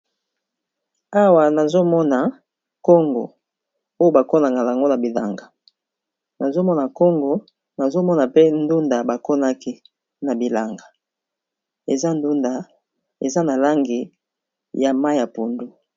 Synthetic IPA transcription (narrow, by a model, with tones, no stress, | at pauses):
a˦wa˨na˨zo˦mɔ˦na˨ | kɔ˦ŋɡo̰˨ | o˦jo˦ba˨ko˦na˨ŋɡa˨la˨ŋɡo˦na˨bi˨la̰˨ŋɡa˨ | na˨zo˦mɔ˦na˨ko˦ŋɡo˨ | na˨zo˦mɔ˦na˨pe˦n˦du˦nda˨ba˨ko˦na˦ki˦ | na˨bi˨la˨ŋɡa˨ | e˨za˦n˦du˦nda˨ | ḛ˨za˦na˨la˦ŋɡi˨ | ja˨ma˦i˨ja˨pu˨ndu˨